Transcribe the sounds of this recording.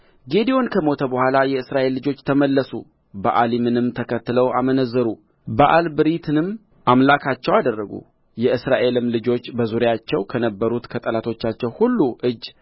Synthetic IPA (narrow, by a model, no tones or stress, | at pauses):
ɡe̞d̪io̞nkʰəmo̞t̪ʰəbəhʷalajɛɨsɾaʔe̞lːɨd͡ʒo̞t͡ʃːt̪ʰəməlːəsṵ | ba̰ʔalimɨnɨmt̪ʰəkʰət̪ːɨləwamənəzːəɾu | baʔalbɨɾit̪ʰɨnɨmː | ʔamlakʰat͡ʃːɛwad̪ərːəɡṵ | jɛɨsɾaʔe̞lɨmlɨd͡ʒo̞t͡ʃːbəzuɾjat͡ʃːɛwkʰənəbːəɾut̪kʰət̪ʼəlat̪ʰo̞t͡ʃːat͡ʃːɛwhulːuʔɨd͡ʒː